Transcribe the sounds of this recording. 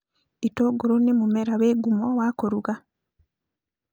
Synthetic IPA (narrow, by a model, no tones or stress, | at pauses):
itoɡoɾonemumeɾaweːɡumowaːkoɾuɣa